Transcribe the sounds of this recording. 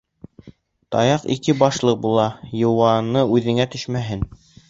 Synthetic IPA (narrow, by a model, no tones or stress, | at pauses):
t̪ɑ̰jɑqḭkɘbɑʃlˠɤq̚bulˠɑjɤ̆wɑnɤʉðɘ̆ŋæt̪ɵʃmæɦɘn